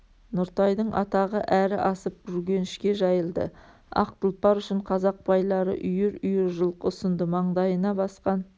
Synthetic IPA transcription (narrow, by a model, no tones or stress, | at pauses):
nʊɾt̪ɑjd̪əɴʔɑ̰t̪ɑʁəʔæɾɪʔɑsəp̚ʒʏɾɡʲe̞nɪʃkʲe̞ʒɑjəlˠd̪ə̰ | ɑ̰q̚t̪əlˠpɑɾʏʃɪɴqʰɑzɑq̚bɑjlˠɑɾə̰ʔʏjɪɾʏjɪɾʒəlˠqəʊsənd̪əmɑɴd̪ɑjənɑbɑsqɑn